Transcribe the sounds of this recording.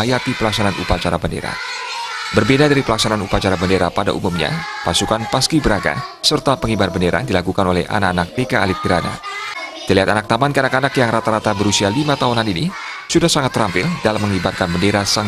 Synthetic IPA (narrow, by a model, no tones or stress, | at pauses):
ajat̪ipəlaksananʔṵpat͡ʃaɾabəndḛɾa̰ | bərbedadaɾipəlaksananupat͡ʃaɾabəndeɾapada̰ʔṵmumɲa̰pasukanpaskibəɾaɡa̰sərt̪apəŋibarbəndeɾa̰dilakukanolɛ̰hʔa̰nakːanak̚tekaːlɪp̚ɡiɾana̰t̪əliɦat̪anak̚t̪amankanakanakjaŋɾat̪aɾat̪abəɾusialimat̪aunanini | sudahsaŋat̪ːəɾampɪldalamːəŋibarkanbəndeɾasa